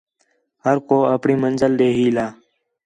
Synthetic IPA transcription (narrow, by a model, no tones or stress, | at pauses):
həɾkoːəpɳiːmənzəlɗ̪eːɦiːlaː